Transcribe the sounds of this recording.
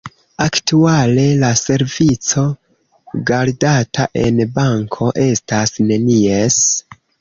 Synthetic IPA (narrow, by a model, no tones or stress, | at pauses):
aktuale̞lase̞ɾvit͡so̞ | ɡaɾdataʔe̞nbaŋkʰo̞ʔe̞stasne̞nies